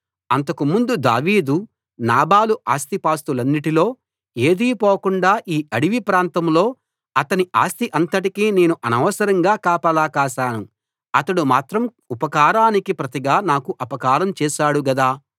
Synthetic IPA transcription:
ɐnt̪ɐkumund̪ud̪a̰ːʋiːd̪u | naːbaːluʔaːst̪ipaːst̪ulɐnːiʈilo̞ː | e̞ːd̪iːpoːkuɳɖaːʔiːʔɐɽiʋipɾaːnt̪ɐmlo̞ː | ɐt̪ɐniʔa̰ːst̪iʔɐnt̪ɐʈ̬ikiːne̞ːnuʔɐnɐʋɐsɐɾɐŋɡaːkaːpɐlaːkaːʃaːnu | ɐt̪ɐɽumaːt̪ɾɐm | upɐkaːɾaːnikipɾɐt̪iɡaːnaːkuʔɐpɐkaːɾɐmt͡ʃɛːʃaːɽuɡɐd̪aː

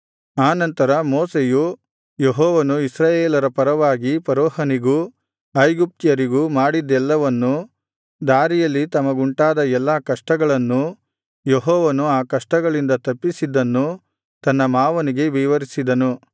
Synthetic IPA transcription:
aːnɐnt̪ɐɾɐmoːseju | jeɦɔːʋɐnuisɾaːjeːlɐɾɐpɐɾɐʋaːɡipɐɾɔːɦɐniɡu | ɐjɡup̚t̪jɐɾiɡumaːɽid̪ːɛlːɐʋɐnːu | d̪aːɾijɐlːit̪ɐmɐɡuɳʈaːd̪ɐɛlːakɐʂʈɐɡɐɭɐnːu | jeɦɔːʋɐnuaːkɐʂʈɐɡɐɭind̪ɐt̪ɐpːisid̪ːɐnːu | t̪ɐnːɐmaːʋɐniɡe̞ʋiʋɐɾisid̪ɐnu

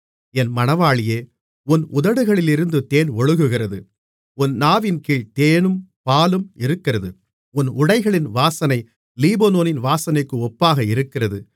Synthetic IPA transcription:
ɛnmɐnɐʋaːɭɪjeː | ʊnʊðɐɽɯɣɐɭɪlɪɾɯnd̪ɯt̪eːnɔɻɯɣɯɣɪrɐðɯ | ʊnːaːʋɪnkiːɭt̪eːnɯmpaːlɯmɪɾɯkːɪrɐðɯ | ʊnʊɽɐɪɣɐɭɪnʋaːsɐnɐɪ | liːbɐnoːnɪnʋaːsɐnɐɪkːɯɔpːaːɣɐɪɾɯkːɪrɐðɯ

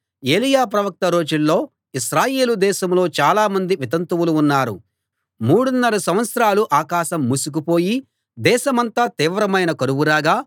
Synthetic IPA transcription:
e̞ːlijaːp̬ɾɐʋɐk̚t̪ɐɾo̞ːd͡ʒulːo̞ː | isɾaːje̞ːlud̪ɛːʃɐmlo̞ːt͡ʃaːlaːmɐnd̪iʋit̪ɐnt̪uwuluːnːaːɾṵ | muːɽunːɐɾusɐmʋɐt̪sɾaːluʔaːkaːʃɐmːusuk̬upo̞ːji | d̪ɛːʃɐmɐnt̪aːt̪iːʋɾɐmɐjnɐkɐɾuʋuɾaːɡaː

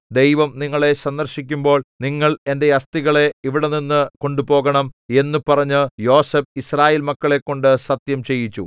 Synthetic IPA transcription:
d̪e̞jʋɐmniŋːɐɭe̞sɐnd̪ɐrɕik̬ʲːumbo̞ːɭniŋːɐɭe̞nde̞ɐst̪iɣɐɭe̞iʋiɽeninːɨko̞ɳɖupo̞ːɣɐɳɐme̞nːupɐrɐɲːɨjo̞ːsep̚israːjeːlmɐkːɐɭe̞kːo̞ɳɖɨsɐt̪jɐmt͡ɕe̞jːit͡ɕːṵ

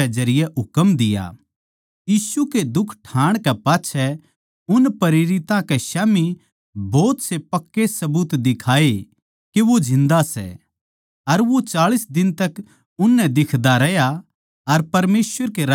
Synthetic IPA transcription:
ɛd͡ʒɐɾɪjɛɦʊkəmd̪ɪja̰ | jiːsuked̪ʊkʰʈʰãːɽ̃kɛpaːtːt͡ʃʰɛ | ʊnpɐɾeːɾɪt̪ãkɛʃaːmi | bɔːt̪sepɐkːesɐbut̪d̪ɪkʰaːe | keʋod͡ʒɪ̃nd̪asɛ̰ | ɐɾʋot͡ʃaːɭisd̪ɪnt̪ɐk | ʊnːɛ̃d̪ɪkʰd̪aɾɛja | ɐɾpɐɾmeːsʋəɾkeɾ

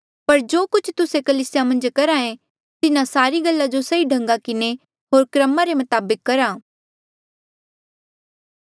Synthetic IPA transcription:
pɐɾd͡ʒoːkʊt͡ʃʰt̪ʊsekɐliːsɪjamɐ̃nd͡ʒkɐɾaẽ | t̪ɪnãsaːɾiɡɐlːad͡ʒosɐiɖʱɐ̃ŋɡakɪne | ɦoːɾkɾəmaɾemɐt̪aːbəkːɐɾaː

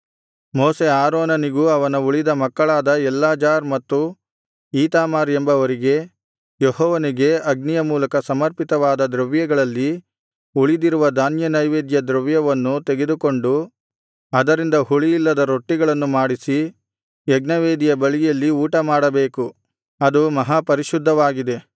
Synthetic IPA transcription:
moːseaːɾoːnɐniɡuɐʋɐnɐuɭid̪ɐmɐkːɐɭaːd̪ɐɛlːaːd͡ʒaːɾmɐt̪ːu | iːt̪aːmaːɾembɐːʋɐɾiɡe̞ | jeɦɔːʋɐniɡe̞ɐɡnijɐmuːlɐkɐsɐmɐɾpit̪ɐʋaːd̪ɐd̪ɾɐʋjɐɡɐɭɐlːi | uɭid̪iɾuʋɐd̪aːnjɐnɐjʋeːd̪jɐd̪ɾɐʋjɐʋɐnːut̪e̞ɡe̞d̪uko̞ɳɖu | ɐd̪ɐɾind̪ɐhuɭijilːɐd̪ɐɾoʈːiɡɐɭɐnːumaːɽisi | jɛɡnɐʋeːd̪ijɐbɐɭijɐlːiuːʈɐmaːɽɐbeːku | ɐd̪umɐɦapɐɾiʃud̪ʱːɐʋaːɡid̪e̞

